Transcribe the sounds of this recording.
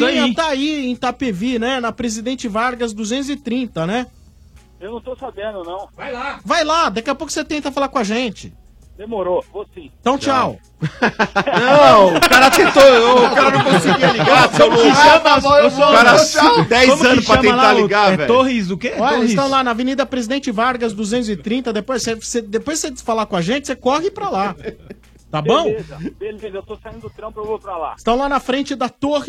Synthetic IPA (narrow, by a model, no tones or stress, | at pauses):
sãt̪aiẽj̃t̪apevinɛnɐpɾezid̪ẽnt͡ʃɪvaɾɡɐzd̪uzẽnt̪̬ʊzɪt̪ɾĩnt̪ɐnɛ | ewnɐ̃w̃t̪owsabẽnd̪ʊnɐ̃w̃vajlavajlad̪akiɐpokʊ̥set̪ẽnt̪ɐfalaɾkw̃ɐʒẽt͡ʃɪ̥ | d̪emoɾovosĩt̪ɐ̃w̃t͡ʃaw | ɐ̃w̪̃kaɾɐt̪ẽt̪ooʊkaɾɐnɐ̃w̃kõsiɡiɐliɡaɐ̃mkɪʃɐ̃mɐvvɐ̃aɾɐd̪ɛjɐ̃zmɐ̃nʊsʃpɾɐ̃ẽɐlaaliɡavɛt̪oɦizʊkeɔʎɐɪst̪ɐ̃w̃lanɐvenid̪ɐpɾezid̪ẽnt͡ʃɪvaɾɡɐzd̪uzẽnt̪ʊzɪt̪ɾĩnt̪ɐd̪epojssesed̪epojzsed͡ʒfalakõɐʒẽt͡ʃɪsekɔɦɪpɾɐla | t̪abõw̃ezɐeet̪osaĩd̪t̪pɾlaɪ̥st̪ɐ̃w̃lanɐfɾẽt͡ʃɪd̪ɐt̪ohɪ